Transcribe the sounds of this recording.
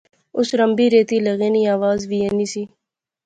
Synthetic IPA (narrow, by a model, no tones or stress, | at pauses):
ʊsɾəmbiːɾeːt̪iːleɣeːniːaːʋaːzʋiːeːniːsiː